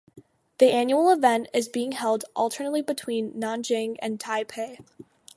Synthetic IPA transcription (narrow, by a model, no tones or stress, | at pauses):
ðiʔæ̃njul̩ˠəvɛ̃ntɪzbiɪ̃ŋhɛlˠdʔʌlˠtʰə˞nətˡlibɨtʰw̥ĩnːɑ̃nd͡ʒɪ̃ŋɨ̰̃ntʰaɪpʰeɪ